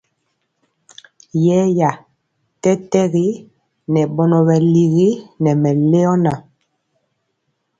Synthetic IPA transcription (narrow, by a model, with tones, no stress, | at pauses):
jɛ˦ja˨ | tɛ˦tɛ˦ɣi˦ | nɛ˨ɓɔ˦nɔ˨βɛ˨li˨ɣi˦nɛ˨mɛ˨le˦ɔ˦na˨